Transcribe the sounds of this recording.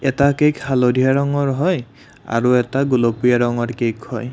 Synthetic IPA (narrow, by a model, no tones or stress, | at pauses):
ɛtakejkhalodʱijaɹɔŋɔɹɦɔj | a̰ɹuɛtaɡulopujaɹɔŋɔɹkejkhɔj